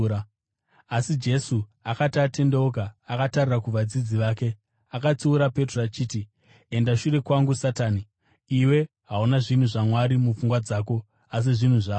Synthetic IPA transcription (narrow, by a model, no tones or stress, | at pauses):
a | asid͡ʒe̞suakatate̞ndeokaːkatarirakuʋad͡zid͡ziʋaːke̞ | akat͡siuɾape̞trat͡ʃiːti | e̞ndaʃure̞kwaŋɡusataːni | iwe̞ | ɦaunaʐin̤uʐamwaɾimufuŋɡwad͡zaːko̞ | as̬iʐin̤uʐaːo